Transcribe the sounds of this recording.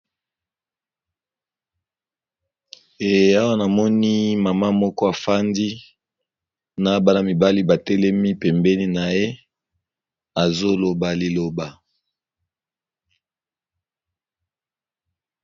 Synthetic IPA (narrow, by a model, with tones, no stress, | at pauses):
e˨a˦wa˦na˨mɔ˦ni˦ma˨ma˦mɔ˦kɔ˦a˨fa˦ndi˦ | na˨˦ba˦na˨mi˨ba˦li˦ba˨tɛ˦lɛ˦mi˦pɛ˨mbɛ˦ni˦na˨je˦ | a˨zo˦lo˨ba˨li˨lo˨ba˨